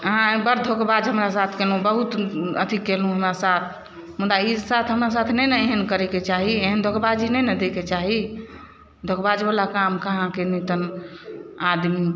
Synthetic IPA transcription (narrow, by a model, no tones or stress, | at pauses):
ɦãbəɾd̪ʱokbad͡ʒɦəmɾasat̪ʰkelɦũbəɦut̪ə̰t̪ʰikelɦũɦəmɾasat̪ʰ | mud̪aisat̪ʰɦəmɾas̬at̪ʰnɛjnəeɦənkəɾɛket͡ʃaɦieɦənd̪ʱokbad͡ʒinɛnəd̪eket͡ʃaɦi | d̪ʱokbad͡ʒbalakamkəɦãkenit̪ən | ad̪mi